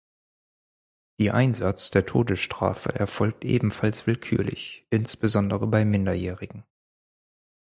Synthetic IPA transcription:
d̥iːʔa̰ɪnzat͡sd̥eːɐtʰoːdəsʃtʁ̥a̰ːfə̰ʔɛɐfɔlk̚tʔḛːbm̩falsv̥ɪlkʰy̰ːɐlɪ̰çʔɪnsb̥əzɔndəʁəbaɪmɪndɐjɛːʁɪɡŋ̩

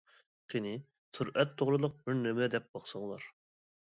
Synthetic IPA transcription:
t̪ʰɪnɪ | t̪ʰuɾʔɛt̪ʰːoʁɾɨlˠʊq̚bɪɾnemɛd̪ɛp̚bɑχsəŋlˠɑ̰ɾ

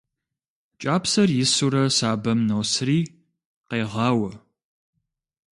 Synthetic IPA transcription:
t͡ʃʼaːpsɐrjɪsuɾɐsaːbɐmnowsriː | qeːʁɑːwɐ

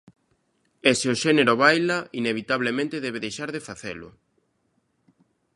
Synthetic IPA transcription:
eseoʃeneɾoβajlaʔineβit̪aβ̞lemẽnt̪eðɛβeðejʃaɾðefaθḛlʊ̰

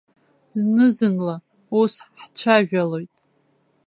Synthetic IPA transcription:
znɨzɨnla | usħt͡ʃʷʰaʒᶣalo̞jtʼ

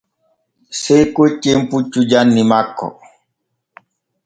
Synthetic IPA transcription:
sejkot͡ʃːemput͡ʃːud͡ʒanːimakːɔ̰

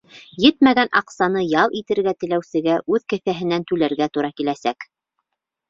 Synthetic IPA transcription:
jɘt̪mæɡænʔɑ̰qsɑnɤjɑlˠit̪ɘ̆ɾɡæt̪ɘ̆læwsɘ̆ɡæʔʉðkɘ̆θæɦɘ̆nænt̪ʉlæɾɡæt̪uɾɑkilæsæk

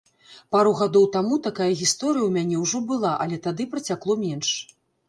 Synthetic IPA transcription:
paɾuɣad̪ɔwt̪amut̪akajɐɣʲist̪ɔɾɨjɐwmʲanʲɛwʐɔbɨlˠaʔɐlʲɛt̪ad̪ɨpɾɐt͡sʲaklˠɔmʲɛnʂ

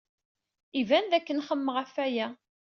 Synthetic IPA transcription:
ivænðækːənχəmːəʁæfæjæ

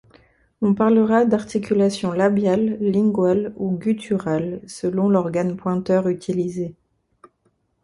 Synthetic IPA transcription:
ɔ̃paʁləʁad̪aʁt̪ikʲʰylasjɔ̃labjalːĩɡwaluɡʲyt̪ʰyʁalsəlɔ̃lɔʁɡanpwɛ̃t̪œʁyt̪ʰilize

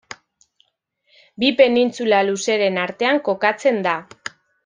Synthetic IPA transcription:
bipe̞nint͡sulaluse̞ɾe̞naɾt̪e̞aŋko̞kat͡se̞nd̪a

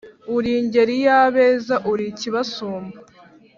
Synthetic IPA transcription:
uɾiɲɟe̞ɾijaːβeːzaʔuɾiciβasoːmba

